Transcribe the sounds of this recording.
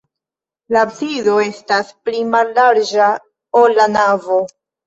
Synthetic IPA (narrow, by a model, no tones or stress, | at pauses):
lapsido̞e̞stasplimalːaɾd͡ʒa | olːanavo̞